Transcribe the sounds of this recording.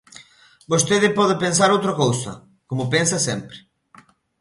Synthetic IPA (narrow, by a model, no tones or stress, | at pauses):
bost̪eðɪpɔðɪpens̬aɾowt̪ɾɐkowsɐ̰ | komʊpensɐsɛmpɾɪ̥